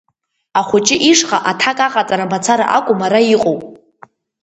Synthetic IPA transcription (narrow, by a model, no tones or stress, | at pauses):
aχʷʊt͡ʃʼɪʔiʂχaʔatʰakʼaqʼat͡sʼaɾamat͡sʰaɾa̰ʔakʷʼʊmaɾaiqʼowpʼ